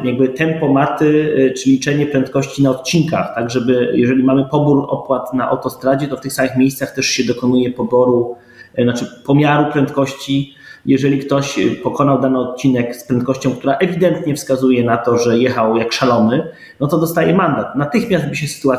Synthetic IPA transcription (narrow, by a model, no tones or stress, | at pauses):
jaɡ̚bɘt̪ɛmpɔmaɾt̪ɘt͡ʂɘlʲit͡ʂɛɲɛpɾɛnt̪kɔɕt͡ɕinaɔt̪t͡ɕinka̰xt̪aɡʐɛbɘjɛʐɛlʲimamɘpɔbuɾɔ̰pwat̪naʔa̰wt̪ɔst̪ɾad͡ʑɛt̪ɔft̪ɘxsamɘxmʲjejst̪saxt̪ɛʂɕɛd̪ɔkɔnujɛpɔbɔɾu | nat͡ʂɘpɔmʲjaɾupɾɛnt̪kɔɕt͡ɕi | jɛʐɛlʲikt̪ɔɕpɔkɔnawd̪anɨɔt̪̚t͡ɕinɛkspɾɛnt̪kɔɕt͡ɕɔ̃w̃k̚t̪uɾaʔɛvʲid̪ɛnt̪ɲɛfskazujɛnat̪ɔʐɛjɛxawjakʂalɔnɘ | nɔt̪ɔd̪ɔst̪ajɛmand̪at̪nat̪ɘxmʲjazd̪̚bɘɕɛsɘ̥t̪ua